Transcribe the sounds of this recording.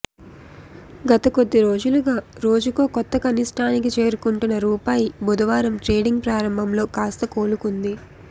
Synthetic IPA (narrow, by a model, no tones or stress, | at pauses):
ɡɐt̪ɐko̞d̪ːiɾo̞ːd͡ʒuluɡaːɾo̞ːd͡ʒukoːkɔt̪ːɐkɐniʂʈʰaːnik̬it͡ʃe̞ːɾukuɳʈunːɐɾuːpaːjibʱud̪ɐʋaːɾɐmʈɾe̞ːɖiŋɡ̚pɾaːɾɐmbʱɐmlo̞ːkaːst̪ɐko̞ːlukund̪i